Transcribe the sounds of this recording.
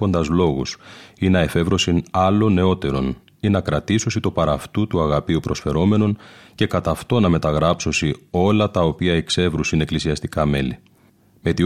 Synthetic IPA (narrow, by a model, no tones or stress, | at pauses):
o̞nd̪ɐzlo̞ɣusinɐe̞fe̞vɾo̞sinɐlo̞ne̞o̞t̪e̞ɾo̞̰n | inɐkɾɐt̪iso̞sit̪o̞pɐɾɐft̪ut̪uɐɣɐpiupɾo̞sfe̞ɾo̞me̞no̞nce̞kɐt̪ɐft̪o̞nɐme̞t̪ɐɣɾɐpso̞sio̞lɐt̪ɐopiɐekse̞vɾusine̞klisiɐst̪ikɐme̞li | me̞t̪i